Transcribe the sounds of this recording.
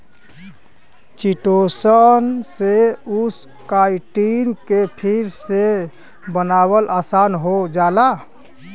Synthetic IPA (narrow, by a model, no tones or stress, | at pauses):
t͡ʃiʈosənseus | kajʈinkepʰiɾse | bənaβəlʔasanɦod͡ʒala